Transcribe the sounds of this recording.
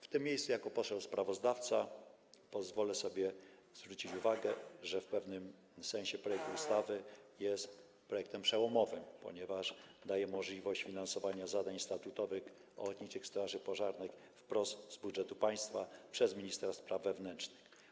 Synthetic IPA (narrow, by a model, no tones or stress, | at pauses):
ft̪ɘmʲːjejssujakɔpɔt̪ʂɛspɾavɔzd̪aft̪sa | pɔzvɔlɛsɔbʲjɛ | zvɾut͡ɕit͡ɕuvaɡɛʐɛfpɛvnɘm | sɛñɕɛpɾɔjɛk̚t̪uust̪avɘjɛst̪ | pɾɔjɛk̚t̪ɛmpʂɛwɔmɔvɘmpɔ̰ɲɛvaʐd̪ajɛmɔʐlʲivɔɕt͡ɕfʲinansɔvaɲazad̪aɲst̪at̪ut̪ɔvɘx | ɔ̰lɔt̪ɲit͡ʂɘxst̪ɾaʐɘpɔʐaɾnɛk | fpɾɔszzbudʐɛt̪upaj̃st̪fapʂɛzmʲiɲist̪ɾaspɾavːɛvnɛnt͡ʂnɘ̥x